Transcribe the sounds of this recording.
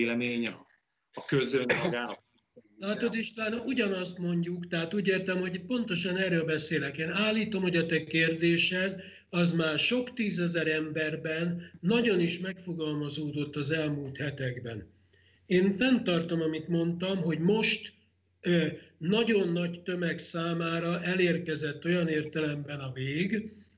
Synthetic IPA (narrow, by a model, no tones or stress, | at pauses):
lɛmeːɲ | ɒkøzøɲmɡaː | laːt̪o̞d̪eʃt̪ɒlaːnɒʔuɟɒnɒst̪mo̞ɲɟukt̪ɛɦat̪uːɟeːrt̪ɛmho̞ɟpo̞n̪t̪o̞ʃɒnɛːrøːlbɛseːlɛkeːnaːlːiːt̪o̞mho̞ɟɒt̪ɛkeːrd̪eːʃɛn | ɒzmaːrʃo̞kt̪iːzɛzɛɾɛmbɛrbɛnːɒɟo̞niʃmɛkfo̞ɡɒlmɒzoːd̪o̞t̪ːɒzɛlmult̪hɛt̪ɛɡbɛ̰n | eːɱfɛnt̪ɒrt̪omɒmit̪mo̞nt̪ɒmɦo̞ɟmo̞ʃt̪ | ønɒɟo̞nːɒɟt̪ømɛksaːmaːɾɒʔɛleːrkɛzɛt̪ːo̞jɒneːrt̪ɛlɛmbɛnɒveːɡ